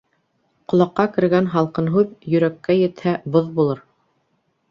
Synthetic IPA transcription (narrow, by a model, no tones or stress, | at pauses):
qŏlˠɑqːɑkɘ̆ɾɡænɦɑlˠqɤnɦʉðjɵ̆ɾækːæjɘ̆t̪hæboðbulˠɤɾ